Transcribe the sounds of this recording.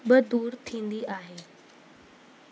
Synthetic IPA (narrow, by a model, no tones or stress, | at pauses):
bəd̪uːɾt̪ʰĩnd̪iːʔaɦe